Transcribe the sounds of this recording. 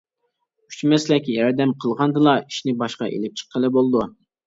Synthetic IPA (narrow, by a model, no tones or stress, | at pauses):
y̥t͡ʃmɛslɛkʲːjɛɾd̪ɛmqʰəlˠʁɑnd̪ɨlˠɑi̥ʃnɪbɑʃqɑ̰ʔḛlɪp̚t͡ʃʰə̥qʰːəlˠɨbolˠɨd̪u